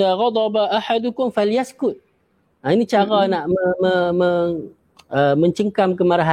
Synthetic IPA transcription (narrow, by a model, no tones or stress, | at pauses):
ðaːɣɑd̪ˤɑbaʔaħad̪ʊkʊmfaljaskʊt̪̚ | ainit͡ʃaɾanaʔməməməŋ | əmə̃ɲt͡ʃəŋkamkəmaɾaɦa